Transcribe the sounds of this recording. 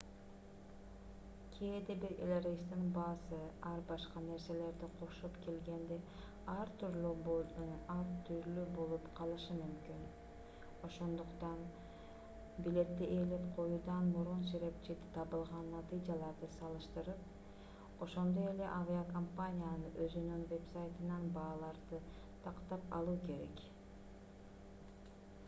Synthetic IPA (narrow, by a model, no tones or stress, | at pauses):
kʲʰijed̪ebiɾelʲeɾest̪inbɑːsɯɑɾbɑʃqɑne̞ɾse̞le̞ɾd̪iqʰo̞ʃopke̞lɡe̞nd̪e | ɑɾt̪ʰyɾlʲybonɑɾt̪ʰyɾlybo̞lˠupqʰɑlˠɯʃɯmymkyn | o̞ʃo̞nd̪uqt̪ɑn | bile̞t̪ːeʔelepqʰo̞juːd̪ɑnmuɾunsiɾe̞p̚t͡ʃid̪i̥t̪ʰɑβɯlˠʁɑnːat̪ɨjd͡ʒɑlˠɑɾd̪ɯsɑlˠɯʃt̪ɯɾɯp̚ | o̞ʃo̞nd̪o̞e̞le̞ʔaviakompanʲijanɯʔøzynynve̞psajt̪ɯnɑnbɑːlˠɑɾd̪ɯ | t̪ʰɑqt̪ɑpɑ̰lˠuːke̞ɾe̞̰k